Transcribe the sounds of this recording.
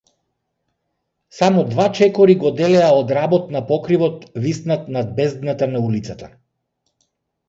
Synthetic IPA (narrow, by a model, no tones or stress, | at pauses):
samɔd̪vat͡ʃɛkɔɾiɡɔd̪ɛlɛaɔd̪ɾabɔt̪napɔkɾivɔt̪vist̪nat̪nad̪̚bɛzd̪nat̪anaulit̪sat̪a